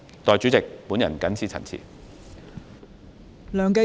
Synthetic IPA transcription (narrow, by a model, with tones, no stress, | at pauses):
t̪ɔː˨jt͡ʃy˨˥t͡sɪ˨k̚puː˨˥njɐ̰˨˩nkɐ˨˥nt͡sʰiː˧˩t͡sʰɐ̰˨˩nt͡sʰḭː˨˩ | lœː˨ŋke˧